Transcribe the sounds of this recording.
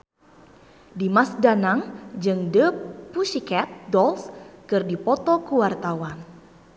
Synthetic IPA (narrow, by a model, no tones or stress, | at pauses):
dimasdanaŋd͡ʒɨŋdəpusikɛt̪̚dɔlskɨrdipɔt̪ɔkuwart̪awan